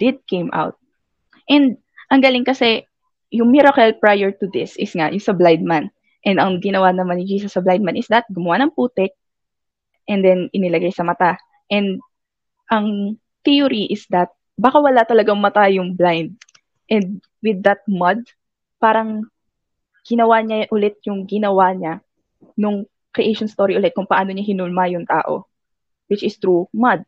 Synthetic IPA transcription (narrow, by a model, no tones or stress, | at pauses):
d̪̥ɪd̪̚kẽjmʔa̰wt̪̚ | ʔɛ̃nd̪̚ | ʔɐŋɡalɪŋkɐsɛ | jʊŋmɪɾɐkɛlpɹajɛɹt̪ʊd̪ɪsɪsŋajʊŋsɐblajd̪̚man | ʔɛ̃nd̪ɐŋɡɪnɐwanɐmanɪd͡ʒiːsɐsːɐblajd̪manɪsd̪ɐt̪̚ɡʊmʊwanɐŋpuːt̪ɛk̚ | ʔɛnd̪ɛnʔɪnɪlɐɡajsɐmɐt̪a | ʔɛ̃nd̪̚ | ʔɐŋ | t̪iʊɾiʔɪsd̪ɐt̪̚ | baːkɐwɐlat̪ɐlɐɡaŋmɐt̪ajʊŋblajnd̪̚ | ʔɛ̃nd̪̚ | wɪd̪ːɐt̪̚mɐd̪̚ | paːɾɐŋ | ɡ̥ɪnɐwaɲaʔʊlɛt̪̚jʊŋɡɪnɐwaɲa | nʊŋ | kɾiʔejʃonst̪oɾiʔʊlɛt̪̚kʊŋpɐʔaːno̞ɲaɦɪnʊlmajʊŋt̪a̰ːʔo̰ | wɪt͡ʃɪst̪ɾumɐd̪̚